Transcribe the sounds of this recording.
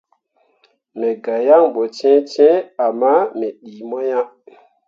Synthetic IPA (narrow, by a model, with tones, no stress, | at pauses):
mɛ˨ɡa˨ja˦ŋɓɔ˨t͡ʃɛ̃˦t͡ʃɛ̃˦a˨ma˦mɛ˨ɗiː˨mɔ˦ja˦